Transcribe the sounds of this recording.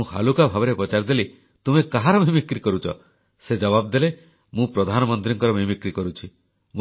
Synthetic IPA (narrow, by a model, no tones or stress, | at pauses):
ũha̰lukabʱabɔɾepɔt͡ʃaɾd̪eli | t̪umekaɦaɾɔmʱimikɾikɔɾut͡ʃʰɔ̰ | sed͡ʒɔbabd̪ele | mũpɾɔd̪ʱanɔmɔnt̪ɾiŋkɔɾɔmimikɾikɔɾut͡ʃʰi | mũ